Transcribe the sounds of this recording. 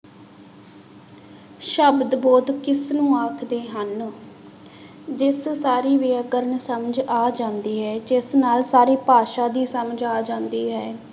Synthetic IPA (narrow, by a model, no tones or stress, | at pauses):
ʃəbd̪bɔːd̪kɪsnũːaːkʰd̪eːɦən | d͡ʒɪssaːɾiːʋeːkəɾəɳsəməd͡ʒaːd͡ʒãːnd̪iːɦɛːd͡ʒɪsnaːlsaːɾeːpaːʃaːd̪iːsəməd͡ʒaːd͡ʒãːnd̪iːɦɛː